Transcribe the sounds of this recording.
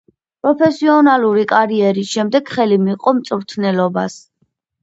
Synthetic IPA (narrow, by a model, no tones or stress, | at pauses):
pʼɾɔpʰɛsiɔnaluɾikʼaɾiɛɾisʃɛmd̪ɛɡ̥χɛlimiqʼɔmt̪sʼvɾt̪ʰnɛlɔbas